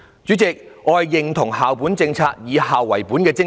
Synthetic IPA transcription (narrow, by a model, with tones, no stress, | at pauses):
t͡ʃyː˨˥t͡sɪ˨k̚ɔː˧jːɪ˨ŋt̪ʰʊ˨˩ŋɦaː˨wpuː˨˥nt͡sɪ˧ŋt͡sʰaː˧k̚jiː˨˧haː˨wːɐ˨˩jpuː˨˥nkɛː˧t͡sɪ˥